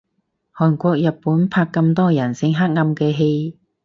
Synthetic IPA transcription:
hɔː˨˩nkʷɔː˧k̚jɐ˨t̚pːuː˨˥npʰaː˧kːɐ˧mt̪ɔː˥jɐ˨˩nsɪ˧ŋɦa˥k̚ŋɐ˧mkɛː˧ɦe˧j

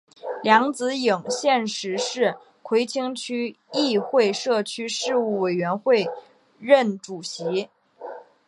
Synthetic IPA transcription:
ljɑ˧˥ŋt͡sɹ̩˧˥ji˨˩ŋɕjɛ˥˩nʂɻ̩˧˥ʂɻ̩˥˩ | kʰwe˧˥ɪt͡ɕʰi˥ŋt͡ɕʰy˥ | i˥˧xwe˥˧ɪʂɤ˥˩t͡ɕʰy˥ʂɻ̩˥˧u˥˩we˨˩ɪɥɛ˧˥nxwe˥˧ɪ | ɻə˥˩nʈ͡ʂu˨˩ɕi˧˥

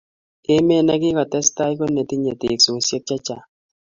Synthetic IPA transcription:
e˦me˦˨na˦kɪ˦kɔ˨tɛ˦sta˦i˦ko˦ne˨ti˦ɲe˨tɪ˨kso˨sjɔ˦t̚t͡ʃa˦t͡ʃa˨

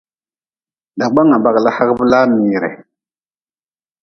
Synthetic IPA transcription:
da˨ba˦ŋa˨ba˨ɡla˦ha˦kvə˦la˦n˨mi˨ɾḛ˨

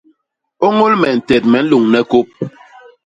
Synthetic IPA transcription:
o˦ŋo˦lmɛ˨n̩˨tɛ˨t̚mɛ˨˦n̩˦lu˨ŋnɛ˦ko˦p̚

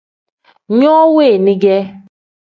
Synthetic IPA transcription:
ɲɔ˦we˦˨ni˦ɡe˦

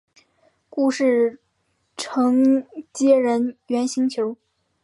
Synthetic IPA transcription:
ku˥˧ʂɻ̩˥˩ | ʈ͡ʂʰɤ˧˥ŋt͡ɕjɛ˥ɻə˧˥nɥɛ˧˥nɕi˧˥ŋt͡ɕʰjo˧˥ʊ

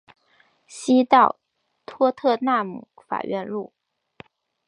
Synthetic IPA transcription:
ɕi˥t̪ɑ˥˩ʊ | t̪ʰwɔ˥t̪ʰɤ˥˧na˥˩mṵ˨˩˦fa̰˨˩ɥɛ˥˧nlu˥˩

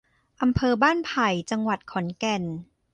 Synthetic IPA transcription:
ʔa˧mpʰɤː˧baː˥˩npʰa˨˩jt͡ɕa˧ŋwa˨˩t̪̚kʰɔ˩˦nkɛ˧˩n

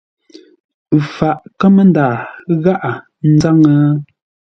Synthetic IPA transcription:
fa˨ʔkə˦mə˦ndaː˨ɣa˦ʔa˨ | n̩˦za˦ŋə˦

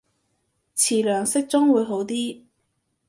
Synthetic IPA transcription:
t͡sʰiː˨˩lœː˨˩ŋsɪ˥k̚t͡sʊ˥ŋwuː˨˧jɦo˨˥wt̪iː˥

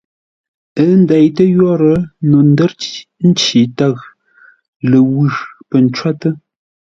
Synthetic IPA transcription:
ə˦n˦da˨jtə˦jɔ˦ɾə˨˦no˨n˦də˦ɾtn̩˦t͡ʃi˨ta˦˨ɣ | lə˨wʉ˦˨pə˨n˨˦t͡ʃwa˦tə˦

